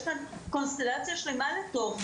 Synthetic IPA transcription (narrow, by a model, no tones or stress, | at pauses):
ʃkanko̞nst̪elat͡sjaʃlemalet̪oʁ